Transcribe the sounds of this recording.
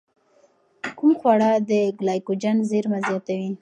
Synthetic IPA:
kumxwaɽɑd̪əɡlɑjkod͡ʒanzeɾmazjɑt̪awi

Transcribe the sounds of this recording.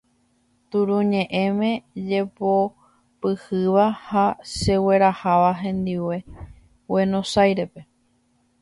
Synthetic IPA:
t̪uɾũɲẽ̞ʔẽ̞mẽ̞d͡ʒe̞po | pɨhɨʋahaʃe̞we̞ɾahaʋaɦẽ̞nd̪iwe̞ | we̞nõsajɾe̞pe̞

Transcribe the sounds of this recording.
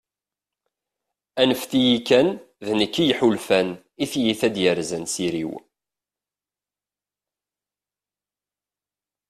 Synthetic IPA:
ænəfθijikːæn | ðnəkːijħulfæn | iθjiθæd̪jəɾzænsiɾḭw

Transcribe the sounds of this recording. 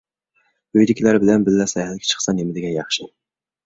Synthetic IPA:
øjd̪ɪkʲʰilæɾbɪlɛnbɪlːɛsɛhɛlɪkʲʰɛ̥t͡ʃʰə̥χsɑnemɪd̪ɪɡʲɛjɑχʃɪ

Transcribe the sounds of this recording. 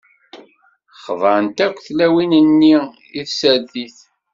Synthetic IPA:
χvˤəɾənt̪ækʷːθlæwinənːi | iθsæðiθ

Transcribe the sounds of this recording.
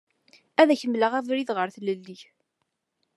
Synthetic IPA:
æðæçəmləʁævɾiðʁəɾθləlːiç

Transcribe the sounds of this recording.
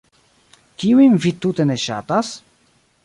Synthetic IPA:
kʲiwimvit̪ːut̪ɛnɛɕa̰t̪as

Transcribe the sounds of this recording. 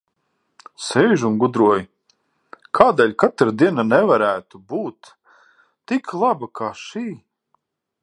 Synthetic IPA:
sɛjʒunɡud̪ɾuɔj | kʰaːd̪ɛːlʲkat̪ɾad̪iɛnanɛvaɾæːt̪ubuːt̪ː | ikʰlˠabakʰaːʃiː

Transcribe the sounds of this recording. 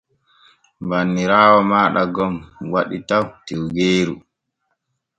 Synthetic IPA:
mbanːiɾaːwɔmaːɗaɡɔmwaɗitawtɛwɡeːɾu

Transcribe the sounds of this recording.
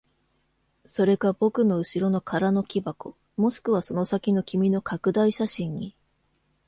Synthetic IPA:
so̞ɾe̞ɡabo̞kɯ̟no̞ɯ̟ɕiɾo̞no̞kʰaɾano̞kʲibako | mo̞ɕi̥kɯ̟β̞aso̞no̞sakʲino̞kʲimʲino̞kʰakɯ̟d̪aiɕaɕĩɲ̟ːi

